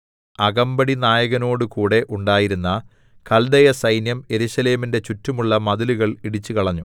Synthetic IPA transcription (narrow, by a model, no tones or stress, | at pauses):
ɐɣɐmbɐɽinaːjɐɣɐno̞ːɽɨkuːɽe̞ʔuɳɖaːjiɾunːɐ | kɐld̪ɐjɐsɐjnjɐme̞ɾuɕɐle̞ːminde̞t͡ɕutːumuɭːɐmɐðiluɣɐɭiɽit͡ɕːɨkɐɭɐɲːu